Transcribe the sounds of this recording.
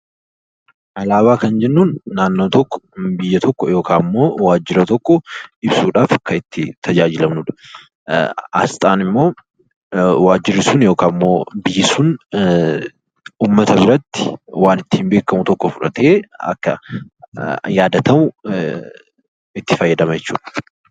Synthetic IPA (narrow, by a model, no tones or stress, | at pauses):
ʔɐlaːβaːkɐnd͡ʒɛnːuːnːaːnːoːt̪ɔkːɔ̥bɪjːɐt̪ʰɔkːɔjo̞ːkaːmːo̞ːwaːd͡ʒːɪɾɐt̪ɔkːɔɪbsuːᶑaːfkɐɪt̪ːɪt̪ʰɐd͡ʒaːd͡ʒɪlɐmnʊᶑɐ̥ | ɐ̰st̪ʼaːnɪmːo̞ː | waːd͡ʒːɪɾɪsunjo̞ːkaːmːo̞ːbɪjːɪsuːn | uːmːɐt̪ɐbɪɾɐt̪ːɪ̥waːnɪt̪ːɪ̥hɪmbe̞ːkːɐmʊt̪ɔkːɔfʊᶑɐ̰t̪e̞ːɐ̰kːɐ | jaːd̪ɐt̪ɐmʊ | ɪt̪ːɪfɐjːɐd̪ɐmɐjɛt͡ʃːuːᶑɐ̥